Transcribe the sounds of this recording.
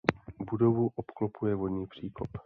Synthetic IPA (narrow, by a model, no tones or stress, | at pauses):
budovuʔopklopujɛvodɲiːpr̝̥iːkop